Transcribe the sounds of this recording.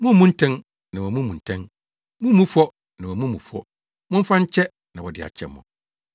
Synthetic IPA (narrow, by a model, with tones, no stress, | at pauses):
mũ˦mũ˦n̩˦tʰɛ̃˦n | nã˨wɔ˨mũ˦mũ˨n̩˨tʰɛ̃˦n | mũ˦mũ˦fɔ˦ | nã˨wɔ˨mũ˦mṵ̃˨fɔ̰˦ | mʊ̃˦m̩˦fã˦ɲ̩˦t͡ɕʰɛ˦ | nã˨wɔ˨dɪ̰˨a̰˨t͡ɕʰɛ̰˦mʊ̰̃˨